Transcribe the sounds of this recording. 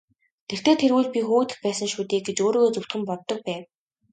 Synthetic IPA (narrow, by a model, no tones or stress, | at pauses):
t̪ʰer̥t̪ʰeːt̪ʰerwuːɮpʲixuːt̪ɘ̆xpæːsə̆ŋʃuːt̪iːk̚ɡet͡ɕoːɾoːɣoːt͡sɵw̥t̪xɘ̆mpɔɮt̪ːɞ̆k̚pæːw